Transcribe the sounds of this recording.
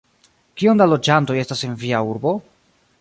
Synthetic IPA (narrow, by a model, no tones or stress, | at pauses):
kio̞ndalo̞d͡ʒanto̞je̞stasenviauɾbo̞